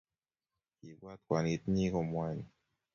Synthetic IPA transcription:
kʰiː˨˦p̚waː˧˩t̪̚kwaː˨˧˩ni˦˥t̪̚ɲiː˥˩˨kʰo˧mwa˧jn

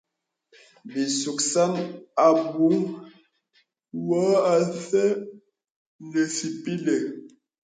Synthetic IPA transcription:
bi˨su˨ksa˦na˨bu˨˦ŋ | wɔ˨˦a˨sɛ˦ | nə˨si˨pi˦le˨

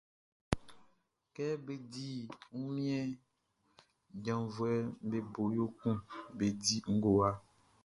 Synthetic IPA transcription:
kɛ˦be˦di˦ŋu˦mĩ˦ɛ˦ | ɟã˨vu˨ɛ˦be˦bo˨jo˦kũ˦be˨di˦ŋ̩˦ɡo˨a˦

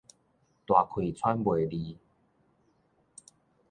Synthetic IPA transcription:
t̪wa˨˩kʰwi˨˩t͡sʰwa˦nbwe˨˩li˧

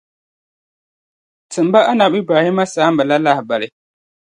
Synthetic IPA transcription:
tɨ˨m˨ba˦ʔa˦na˨bi˦baː˨hɪ˦ma˦saː˦m˦bɨ˨la˦la˦hba˨lɪ˨

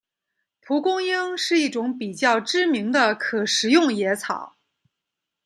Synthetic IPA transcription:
pʰu˧˥kʊ˥ŋji˥ŋʂɻ̩˥˧i˥˩ʈ͡ʂʊ˧˥ŋpi˨˩t͡ɕjɑ˥˩ʊʈ͡ʂɻ̩˥mi˧˥ŋd̪ə˧kʰɤ˨˩ʂɻ̩˨˧˥jʊ˥˩ŋjɛ˧˥t͡sʰɑ̰˨˩˦ʊ

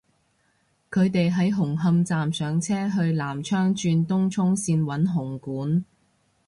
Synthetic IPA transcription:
kʰɵ˨˧ɥt̪e˨jɦɐ˨˥jɦʊ˨˩ŋɦɐ˧mt͡saː˨msœː˨ŋt͡sʰɛː˥ɦɵ˧ɥlaː˨˩mt͡ʃʰœː˥ŋt͡ʃyː˧nt̪ʊ˥ŋt͡ʃʰʊ˥ŋsiː˧nwɐ˨˥nɦʊ˨˩ŋkuː˨˥n

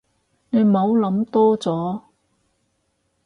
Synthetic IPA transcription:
ne˨˧jmo˨˧wlɐ˨˧˥mt̪ɔː˥t͡sɔː˨˥

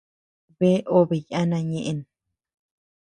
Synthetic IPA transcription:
βe˦ʔo˦βe˨ja˦nã˧ɲẽ˧ʔe˧n

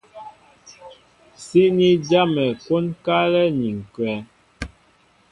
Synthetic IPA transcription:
si˦ni˦d͡ʒa˦mɛ˨ko˦nka˦lɛ˦ni˨ŋ˨kwɛ˨˦

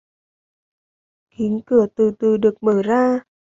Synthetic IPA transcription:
ki˨˦nkɨ˧˩ət̪ɨ˨˩t̪ɨ˨˩ɗɨ˨˩ək̚məː˧˩zaː˧

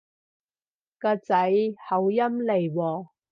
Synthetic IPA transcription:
kaː˧t͡sɐ˨˥jhɐ˨˥wjɐ˥mle˨˩jwɔː˨˩

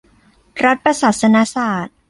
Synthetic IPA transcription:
ɾa˦˥t̪̚pɾa˧saː˨˩t̪̚sa˧na˦˥saː˨˩t̪̚

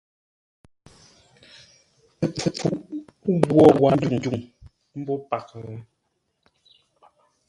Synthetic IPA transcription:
ə˨p͡fə˨p͡fu˨˦ʔɣwɔ˦˨ɣwa˨˦n̩˦d͡ʒu˨ŋ˨d͡ʒu˨ŋ | m̩˦bɔ˦pa˨k

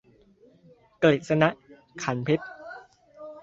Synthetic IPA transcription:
kleː˨˩t̪̚sa˧na˦˥ʔ | kʰa˩˦npʰe˦˥t̪̚

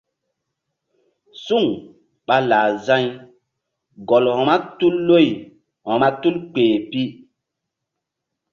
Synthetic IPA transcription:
su˦˨ŋ | ɓa˦laː˨zã˦j | ɡɔ˨lhɔ̃˨ma˦tu˦lːo˦˨j | hɔ̃˨ma˦tu˦lk͡peː˨pi˦

